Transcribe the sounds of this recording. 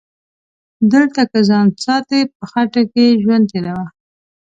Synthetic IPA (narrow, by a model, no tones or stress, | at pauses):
d̪əlt̪akəzɑnsɑt̪ep̚əxaʈakeʒwand̪elawa